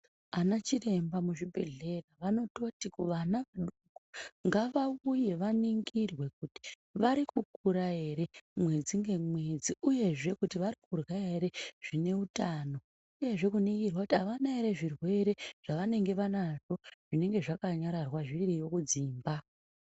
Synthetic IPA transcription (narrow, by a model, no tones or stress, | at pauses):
anat͡ʃire̞mbamuʐibʱe̞ɮe̞raʋano̞to̞tikuʋanaʋaɗukuŋɡaʋauje̞ʋaniŋɡirwe̞k̚uti̥ | ʋaɾikukuɾae̞ɾe̞mwe̞d͡ziŋɡe̞mwe̞d͡ziuje̞ʐe̞kutiʋaɾik̚urwaɦe̞ɾe̞ʐ̥ine̞utano̞ | uje̞ʐe̞kuniŋɡirwakutiaʋanaeɾe̞ʐirwe̞ɾe̞ʐ̥aʋane̞ŋɡe̞ʋanaʐo̞ʐ̥ine̞ŋɡe̞ʐakaɲaɾarwaʐirijo̞kud͡ziːmba